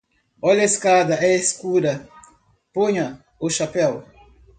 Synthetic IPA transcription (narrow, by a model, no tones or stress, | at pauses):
ɔleskad̪aɛeskuɾɐ | poɲɐ | ʊʃapɛl